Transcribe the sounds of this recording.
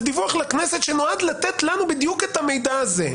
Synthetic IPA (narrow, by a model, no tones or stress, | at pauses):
d̪ivuaχlakneset̪ʃenoad̪lat̪et̪lanubid̪juket̪hame̞jd̪aazḛ